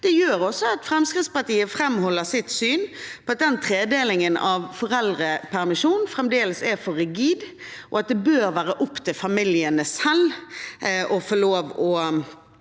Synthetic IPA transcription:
d̪̥ɛjøːɾɔsːɔɑt̪fʁɛmskɾɪt̪spɑɾt̪iːəfɾɛmhɔlːəsɪt̪syːnpɔɑt̪̚d̪ɛnt̪ʰɾeːd̪eːlɪŋənɑʋfɔɾɛld̪ɾəpʰæɾmɪʂuːnfɾɛmd̪eːləsɛfɔɾɪɡiːd̪ | ʔɔɑt̪̚d̪ɛbøːɾʋæːɾəʔʊpːt̪ʰɪlfɑmɪljənəsɛl | ʔɔfoːloːʋɔ

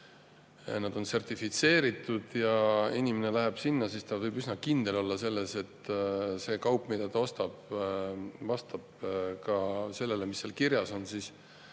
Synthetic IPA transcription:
nɑd̪̥o̞nse̞rt̪ifit̪se̞ːɾit̪ːˑud̪̥jɑinʲimene̞læɦeb̥sinːɑsist̪ɑvɤjbysnɑkind̪̥e̞lo̞lːɑse̞lːe̞se̞t̪ːse̞ːkɑwpːˑmid̪̥ɑt̪ɑo̞st̪ɑb̥ | vɑst̪ɑb̥̚kɑse̞lːe̞lemisːeːlkirjɑso̞nsis

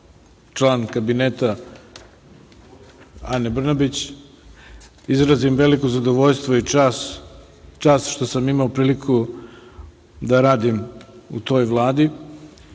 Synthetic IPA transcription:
t͡ʃlˠaːnkabineːt̪a | anebr̩nabit͡ɕ | izɾazimʋe̞likozad̪oʋo̞ʎst̪ʋoias | t͡ʃaːsʃt̪o̞samimaopɾiːlikʰu | d̪aɾaːd̪imut̪o̞ːjʋlˠaːd̪i

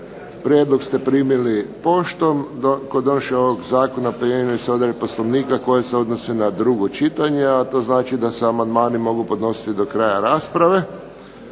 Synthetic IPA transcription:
pɾjed̪loɡst̪epɾiːmilipo̞ʃt̪omkod̪onoʃeoʋoɡzaːkonapɾimiliseo̞d̪aɾiposloʋniːkako̞jeseo̞d̪nosenad̪ɾuɡot͡ʃit̪aɲeat̪o̞ːznaːt͡ʃid̪aseamand̪maːnimo̞ɡupo̞d̪no̞si̥t̪id̪o̞kɾaːjaɾaːspɾaʋe̞

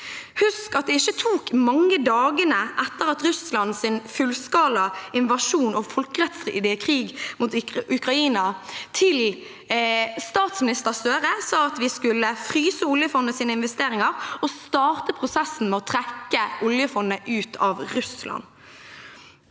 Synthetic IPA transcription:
hʉskɑt̪̚d̪ɛɪçːət̪ʰuːkmɑŋːəd̪ɑːɡənəʔɛt̪ːəʁɑt̪ʁʉslɑnsɪnfʉlskɑːlɑɪnʋɑʃuːnɔfɔlkəʁɛt̪slɪd̪ɛkʰʁiːɡmuːt̪ʉkʁɑiːnɑt̪ʰɪl | st̪ɑːt̪smɪnɪst̪əʁsøːʁəsɑːɑt̪ʋɪskʉlːəfʁyːsəʊljəfɔnːəsiːnəɪnʋɛst̪eːɾɪŋɑʁɔst̪ɑːʁt̪əpʰʁʊsɛsːn̩mɛːɔt̪ʰʁɛkːəʔʊljəfɔnːəʔʉːt̪ʰɑʋʁʉslʔɑ̰n

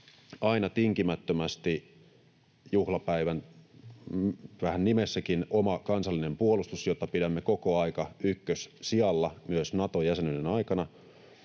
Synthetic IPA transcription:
ɑinɑt̪iŋkimæt̪ːømæst̪i | juhlɑpæiʋæn | ʋæhænnimesːækinomɑkɑnsɑlːine̞mpuolust̪usjot̪ːɑpidæmːeko̞koɑikɑykːøssiɑlːɑmyøsnɑt̪ojæsenydenɑikɑnɑ

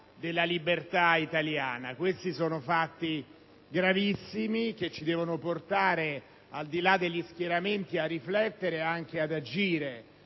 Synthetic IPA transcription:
d̪elːalibert̪ait̪aljaːnakwest̪isoːnofat̪ːi | ɡɾavisːimik̟et͡ʃːid̪ɛːvonoport̪aːɾe | ald̪ilad̪ːeʎːisk̟jeɾament̪iarːiflɛt̪ːeɾeaŋk̟ead̪ad͡ʒiːɾe

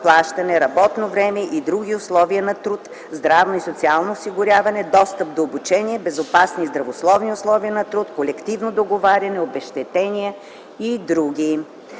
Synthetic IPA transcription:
plˠaʃt̪ɐnɛɾɐbɔt̪novɾɛmɛʔid̪ɾuɡʲiʊslˠɔviɐnɐt̪ɾut̪ | zd̪ɾavnoisot̪sialˠnoːsiɡʊɾʲavɐnɛd̪ɔst̪əp̚d̪oːbut͡ʃɛnʲiɛbɛzopasnizd̪ɾɐvoslˠɔvniʊslˠɔviənɐt̪ɾut̪kolɛkt̪ivnod̪oɡovaɾʲɐnɛobɛʃt̪ɛt̪ɛniə | id̪ɾuɡʲi

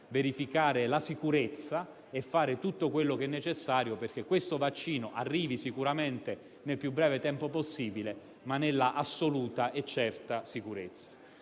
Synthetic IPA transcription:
veɾifikaːɾelasikuɾet̪sːa | efːaːɾet̪ut̪ːokwelːokɛnːet͡ʃesːaːɾjoperk̟ekːwest̪ovat͡ʃːiːnoʔarːiːvisikuɾament̪e | nelpjubːɾɛːvet̪ɛmpoposːiːbile | manːelːaʔasːoluːt̪aʔet͡ʃːɛrt̪asikuɾet̪sːḁ

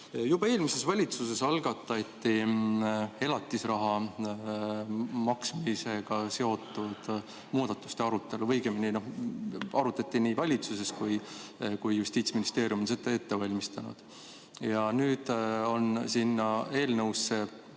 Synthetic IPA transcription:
jub̥ɑe̞ːlmise̞svɑlʲit̪sus̬e̞sɑlɡɑt̪ːˑɑt̪ːi | e̞lɑt̪ːˑisrɑɦɑ | mɑksmise̞ɡ̥ɑse̞o̞t̪ːˑud̪̥ | muːd̪̥ɑt̪ːˑu̥st̪e̞ɑɾut̪ːˑe̞luvɤjɡ̥eminino̞hɑɾut̪ːˑɑt̪ʲːˑiniːvɑlʲit̪suse̞skujkujjust̪iːt̪sminist̪e̞ːɾjumonset̪ɑe̞t̪ːe̞vɑlʲmist̪ɑnṵd̪̥ | jɑnyːd̪̥o̞nsinːɑe̞ːlnɤwsːe̞

